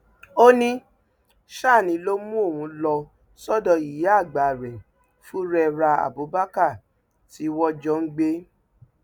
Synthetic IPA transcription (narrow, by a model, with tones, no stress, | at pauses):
o˦nĩ˦ | ʃa˦˨nĩ˨˦lo˦mũ˦o˦˨wũ˧lɔ˧ | sɔ˦˨dɔ˧i˨je˨˦a˦˨ɡ͡ba˨ɾɛ˨ | fu˦ɾɛ˧ɾa˧a̰˨bo˨˦ba˦ka˦˨ | ti˨˦wɔ˦d͡ʒɔ˦ŋ̩˦ɡ͡be˦